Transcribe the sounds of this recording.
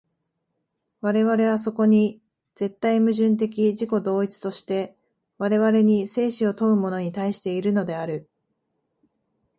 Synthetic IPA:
βaɾe̞βaɾe̞β̞as̬o̞ko̞ɲ̟i | d͡z̥e̞t̪ːaimɯ̟ʑɨ̃nt̪̬e̞k̬ʲiʑiko̞d̪o̞ːit͡sɨ̥t̪o̞ɕi̥t̪e̞ | βaɾe̞βaɾe̞ɲ̟ise̞ːɕio̞t̪o̞ɯ̟mo̞no̞ɲ̟it̪aiɕi̥t̪e̞iɾɯ̟no̞d̪e̞aɾɯ̟

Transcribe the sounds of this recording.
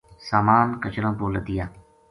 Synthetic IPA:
saːmaːnkət͡ʃɾãːboːləd̪ɪjaː

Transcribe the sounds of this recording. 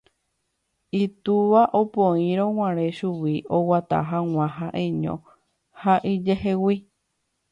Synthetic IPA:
it̪uʋaʔopõĩɾ̃õw̃ãɾ̃ẽʃuwiowat̪a̰ɦaw̃ãɦaʔẽɲõ̰ | haʔid͡ʒeɦewi

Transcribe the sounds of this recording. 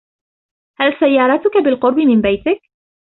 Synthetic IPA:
halsajːɑːɾˤɑːt̪ʊkabɪlqʊɾˤbɪmɪnbajt̪ɪk̚

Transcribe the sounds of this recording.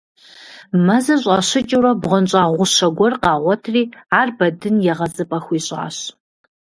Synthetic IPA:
mɐzɐɕʼaːɕɪt͡ʃʼɪrɐbʁʷɔnɕʼaːʁʷʊʃɐɡʷɔrqɑːʁʷɔtʰriːaːrbɐdɨnjɛʁɐzɨpʼɐxʷiːɕʼa̰ːɕ

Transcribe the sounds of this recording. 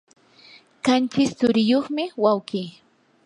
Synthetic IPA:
kant͡ʃɪst͡sʊɾɪjoχmɪwawkiː

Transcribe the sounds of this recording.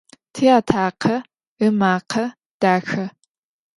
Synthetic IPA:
tʰiːaːtʰaːqʰɐ | ɨmaːqʰɐ | d̥aːxɐ

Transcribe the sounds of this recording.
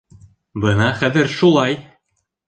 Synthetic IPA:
bɤnɑχæðɘɾʃulˠɑj

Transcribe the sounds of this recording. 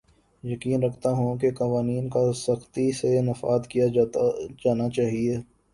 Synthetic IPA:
jɐkiːnɾɐkʰt̪aɦũkekɐʋaːniːnkasɐxt̪isenɐfa̰ːd̪kija | d͡ʒaːnat͡ʃaːɦieː

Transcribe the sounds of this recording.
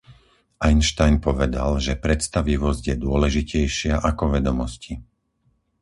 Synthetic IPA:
ʔajnʃt̪ajnpɔʋɛd̪a̰lʒɛpɾɛt̪st̪aʋiʋɔzɟjɛd̪ʊɔlɛʒicɛjʃɪaʔakɔʋɛd̪ɔmɔsci

